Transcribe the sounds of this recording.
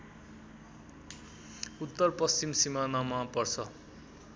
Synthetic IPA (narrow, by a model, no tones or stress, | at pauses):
ut̪ːʌrpʌst͡simsimanamapʌrt͡sʰʌ